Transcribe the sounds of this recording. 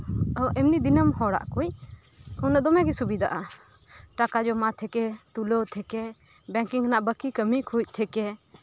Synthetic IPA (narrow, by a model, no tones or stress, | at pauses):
əʔɛmnid̪inəmhɔɽa̰ʔkuj | hunaʔd̪ɔmɛɡɛsubid̪aʔa | ʈakad͡ʒɔmat̪ʰɛkɛt̪ulot̪ʰɛkɛ | bɛ̃ŋkiŋnaʔbəkikəmikʰuc̚ˀt̪ʰɛkɛ